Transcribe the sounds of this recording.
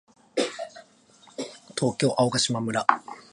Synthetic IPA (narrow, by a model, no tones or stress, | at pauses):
t̪ʰo̞ːkʲo̞ːʔaokaɕimamɯ̟ɾa